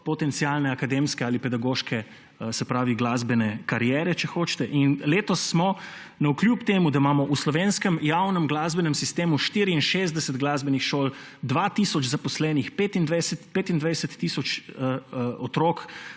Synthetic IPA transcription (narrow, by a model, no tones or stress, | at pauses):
pɔt̪ɛnt̪siaːlnɛakad̪emskɛaːlipɛd̪aɡoːʃkʰɛ | sɛpɾaːʋiɡlaːzbɛnɛkaɾjɛːɾɛt͡ʃɛxoːt͡ʃt̪ɛʔinleːt̪ɔsːmɔ | naukljupt̪eːmud̪aimaːmɔʔuslɔʋeːnskəmjawnɛmɡlaːzbɛnɛmsist̪eːmuʃt̪iːɾiinʃezd̪ɛsət̪ɡlaːzbɛnixʃoːl | d̪ʋat̪iːsɔd͡ʒzapɔslɛːnixpet̪ind̪ʋajsɛt̪peːt̪ind̪ʋajsɛt̪ːiːsɔt͡ʃ | ɔt̪ɾok